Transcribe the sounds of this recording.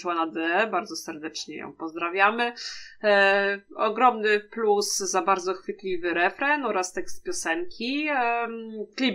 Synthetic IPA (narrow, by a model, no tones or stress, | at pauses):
wanad̪ɛɛbaɾd̪zɔsɛɾd̪ɛt͡ʂɲɛ̰jɔ̰̃w̃pɔzd̪ɾavʲjamɘ | ɔɡɾɔmnɘplusːabaɾd̪zɔxfɘt̪lʲivɘɾɛfɾɛnɔɾast̪ɛkst̪̚pʲjɔsɛŋkʲʰi | klʲib